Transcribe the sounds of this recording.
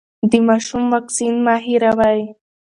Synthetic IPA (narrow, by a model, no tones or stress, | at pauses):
d̪əmɑʃumwaksinmɑɦiɾawaj